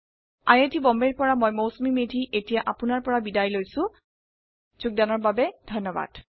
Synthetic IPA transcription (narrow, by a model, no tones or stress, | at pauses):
a̰jetʰibɔmbeɹpɔɹamojmowsmimedʱiʔetijaʔapʊnaɹpɔɹabidajlojsʊ̃ | z̥uɡ̚danɔɹbabɛdʱɔnːɔba̰d̥